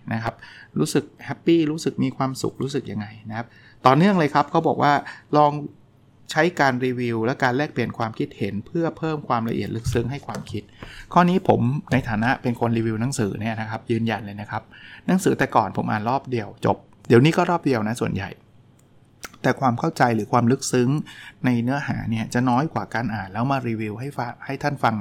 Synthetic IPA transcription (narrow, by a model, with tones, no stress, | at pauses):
na˦˥kʰa˦˥p̚ɾuː˦˥sɯ˨˩k̚hɛ˦˥pːiː˥˩ɾuː˦˥sɯ˨˩k̚miː˧kʰwaː˧msṵ˨˩k̚ɾuː˦˥sɯ˨˩k̚ja˧ŋːa˧jna˦˥kʰa˦˥p̚ | t̪ɔː˨˩nɯ˥˩əŋlɤː˧jkʰa˦˥p̚kʰa˦˥wbɔː˨˩k̚waː˥˩lɔː˧ŋ | t͡ɕʰa˦˥jkaː˧nɾiː˧wi˧wlɛ˦˥wkaː˧nlɛː˥˩k̚pli˨˩ənkʰwaː˧mkʰi˦˥t̪̚he˩˦npʰɯ˥˩ɐpʰɤː˥˩mkʰwaː˧mla˧ʔḭ˨˩ət̪̚lɯ˦˥k̚sɯ˦˥ŋɦa˥˩jkʰwaː˧mkʰi˦˥t̪̚kʰɔː˧˥˩niː˦˥pʰo˩˦mna˧jt̪ʰaː˨˩˦na˦˥ʔpe˧nkʰo˧nɾiː˧wi˧wna˩˦ŋsɯː˩˦ni˥˩ɐna˦˥kʰa˦˥p̚jɯː˧nja˧nlɤː˧jna˦˥kʰa˦˥p̚na˩˦ŋsɯː˩˦t̪ɛː˨˩kɔː˨˩npʰo˩˦mʔa̰ː˨˩nɾɔː˥˩p̚di˧əwt͡ɕo̰˨˩p̚ | di˨˩əniː˦˥kɔː˥˩ɾɔː˥˩p̚di˧əwna˦˥su˨˩ənja̰˨˩j | t̪ɛː˨˩kʰwaː˧mkʰa˥˩wt͡ɕa˧jlɯː˩˦kʰwaː˧mlɯ˦˥k̚sɯ˦˥ŋna˧jnɯ˦˥ɐɦaː˩˦ni˥˩ɐt͡ɕa˨˩nɔː˦˥jkwaː˨˩kaː˧nʔaː˨˩nlɛː˦˥wmaː˧ɾiː˧wi˧wɦa˥˩ja˧ha˥˩jt̪ʰa˥˩nfa˧ŋ